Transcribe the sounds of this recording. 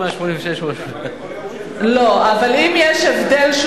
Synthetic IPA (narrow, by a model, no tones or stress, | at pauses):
maʃmonĩɱveʃeʃmo | loavalimjeʃevd̪elʃ